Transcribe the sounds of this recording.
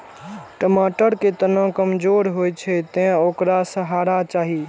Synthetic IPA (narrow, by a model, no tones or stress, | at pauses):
ʈəmaʈəɾket̪ənə̃kəmd͡ʒoɾɦojt͡ʃʰɛt̪ɛ̃okɾasəɦaɾat͡ʃaɦi